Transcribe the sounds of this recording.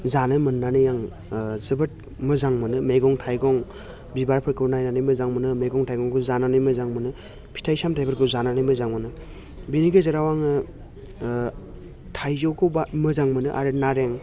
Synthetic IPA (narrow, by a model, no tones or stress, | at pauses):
zanɯmɯnːanɯjaŋ | zɯbɯt̚ | mɯzaŋmɯnɯmeɡɔŋtʰajɡɔŋ | bibaɾpʰɯɾkʰɯnajnanɯjmɯzaŋmɯnɯmeɡɔŋtʰajɡɔŋkɯzananɯjmɯzaŋmɯnɯ | pʰi̥tʰajsamtʰajbɯɾkʰɯzananɯjmɯzaŋmɯnɯ | biniɡezɯɾawaŋɯ | tʰajzɔwkʰɯbamɯzaŋmɯnɯʔa̰ɾɯnaɾeŋ